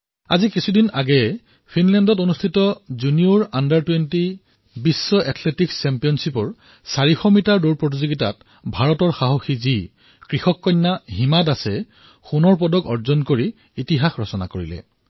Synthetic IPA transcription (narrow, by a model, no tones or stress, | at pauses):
a̰zikisʰudinaɡɛ | pʰinlɛndɔtonustʰitɔzuniuɹandaɹtwenti | bisːɔʔɛtʰletiksɛmpijɔnsipɔɹ | saɹixɔmitaɹduɹpɹot̬izoɡita̰t̚ | bʱaɹɔtɔɹxaɦoxizi | kɹixɔkːɔjnːaɦimadasɛ | xunɔɹp̬ɔdɔkɔɹzɔnkoɹiː | tiɦaxɹɔsɔna̰koɹḭlɛ̰